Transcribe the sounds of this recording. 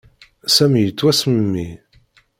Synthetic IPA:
sæmijət͡sːwæsməmːḭ

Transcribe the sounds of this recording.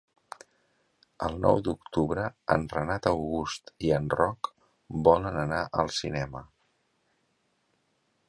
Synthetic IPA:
əlˠnɔ̰wd̪ukt̪uβɾəə̰nrənat̪əwɣust̪iənrɔk | bɔlənənaʔəlˠsinɛmə

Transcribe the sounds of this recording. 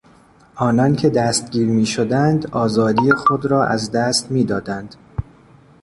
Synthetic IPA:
ʔɒːnɒncʰe̞d̪æst̪̚ɟiːɾmiːʃod̪ænd̪ɒːzɒːd̪iːje̞xod̪ɾɒːʔæzd̪æst̪miːd̪ɒːd̪ænd̪̥

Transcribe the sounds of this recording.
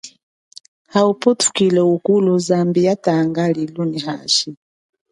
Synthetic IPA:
haupɔtʰu̥kilɛukuluzambijataŋɡaliluniɦaʃi

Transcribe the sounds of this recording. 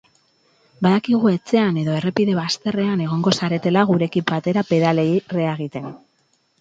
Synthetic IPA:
baðakiɣ̞ue̞t͡se̞ane̞ðo̞e̞re̞piðe̞βast̪e̞re̞ane̞ɣ̞o̞ŋɡo̞saɾe̞t̪e̞laɣ̞uɾe̞kipbat̪e̞ɾape̞ðalere̞aɣ̞it̪e̞n

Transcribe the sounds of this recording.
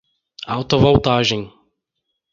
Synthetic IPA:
ʔawt̪ovowt̪aːʒɛɲi

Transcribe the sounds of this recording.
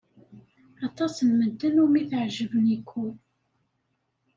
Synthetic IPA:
ɑt̪ˤɑsnməd̪ːənumiθʕʒəvənikʰːul

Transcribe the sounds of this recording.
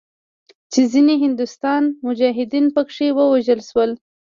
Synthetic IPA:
t͡ʃezineɦɪnd̪ʊst̪ɑnmʊd͡ʒɑɦɪd̪inpəkʂewəwaʒəlʃwəl

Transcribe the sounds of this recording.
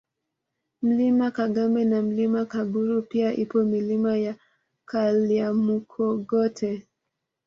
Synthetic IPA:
m̩limakaɡambɛnam̩limakaɓuɾupiaʔipɔmilimaja | kʰaliamukʰɔɡɔtʰɛ

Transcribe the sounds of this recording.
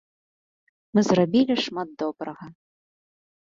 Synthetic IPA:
mɨzrabʲilʲiʂmad̪̚d̪ɔbɾɐɣɐ

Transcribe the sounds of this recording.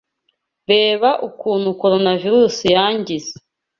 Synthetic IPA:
βeːβaʔukuːn̤̥huko̞ɾo̞naviɾuːsijaːɲɟize̥

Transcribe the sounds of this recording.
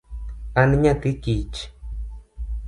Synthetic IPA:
anɲãt̪ikit͡ʃ

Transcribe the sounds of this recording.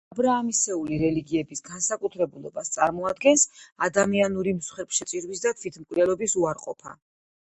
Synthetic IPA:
abɾaːmisɛuliɾɛliɡiɛbisɡansakʼut̪ʰɾɛbulˠɔbast̪sʼaɾmɔad̪ɡɛnsad̪amianuɾimsχɛɾpʃɛt̪sʼiɾwisd̪at̪ʰvwit̪ʰmkʼvd̪ɛlˠɔbisuaɾqʼɔ̰pʰa̰

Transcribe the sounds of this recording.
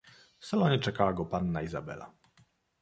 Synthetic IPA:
fsalɔɲɛt͡ʂɛkawaɡɔpanːaiza̰bɛ̰la̰

